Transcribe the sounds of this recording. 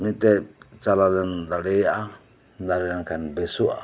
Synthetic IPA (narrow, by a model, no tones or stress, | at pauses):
mit̪ɛt͡ʃalalɛnd̪aɽɛjaʔa | d̪aɾɛɾaŋkʰanbɛsua̰